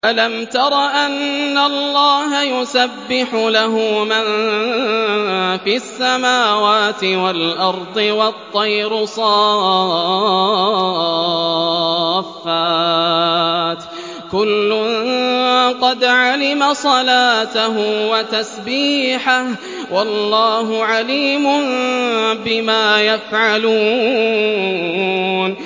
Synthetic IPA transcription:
ʔalamt̪ɑɾˤɑʔanːalːɑːɦajʊsabːɪħʊlaɦʊman | fiʔasːamaːwaːt̪ɪwalʔɑɾˤd̪ˤɨwɑt̪ˤːɑjɾʊsˤɑː | fːaː | t̪ | kʊlːʊn | qɑd̪ʕalɪmasˤɑlaːt̪aɦʊwat̪asbiːħah | wʔɑlːɑːɦʊʕaliːmʊn | bɪmaːjafʕaluː | n

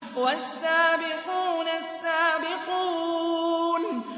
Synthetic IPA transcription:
wasːaːbɪquːnasːaːbɪquː | n

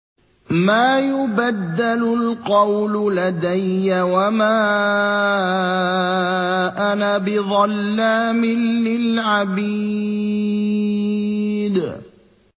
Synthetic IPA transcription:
maːjʊbad̪ːalʊlqɑwlʊlad̪ajːawamaː | ʔanabɪðˤɑlːaːmɪnːɪlʕabiː | d̪

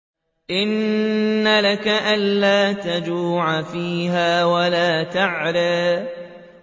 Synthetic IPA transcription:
ʔɪnː | alakaʔanːaːt̪ad͡ʒuːʕafiːɦaːwalaːt̪aʕɾaː

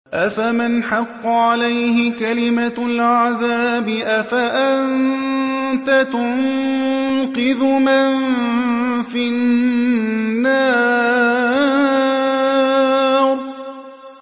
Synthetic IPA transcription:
ʔafamɪnħɑqːɑʕalajhɪkalɪmalʕaðaːbɪʔafaʔan | t̪at̪ʊn | qɨðʊmɪn | fɪnː | aː | ɾ

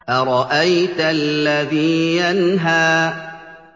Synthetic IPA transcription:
ʔaɾˤɑʔajt̪alːaðiːjanɦaː

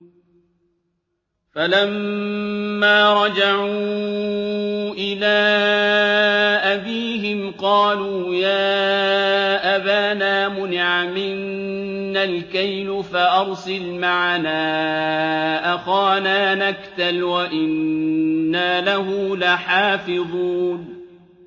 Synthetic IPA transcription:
falamː | aːɾˤɑd͡ʒaʕuː | ʔɪlaː | ʔabiːɦɪmqɑːluːjaː | ʔabaːnaːmʊnɪʕamɪnː | alkajnʊfaʔɑɾˤsɪlmaʕanaː | ʔaxaːnaːnakt̪alwaʔɪnː | aːlaɦʊlaħaːfɪðˤuːn

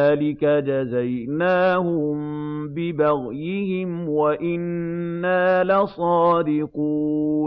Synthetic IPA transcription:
aːlɪkad͡ʒazajnaːhʊm | bɪbaɣjɪhɪmwaʔɪnːaːlasˤɑːd̪ɪquː

